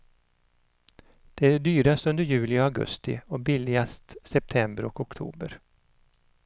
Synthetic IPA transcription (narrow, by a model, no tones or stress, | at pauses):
d̪̥ɛæɖɛɖ̪yːɾast̪ɵnd̪əɾjʉ̟ːlɪɔaɡɵ̰st̪ɪ̰ɔbɪlɪɡast̪sɛp̚t̪ʰɛmbəɾɔkɔkt̪ʰṵːbəɾ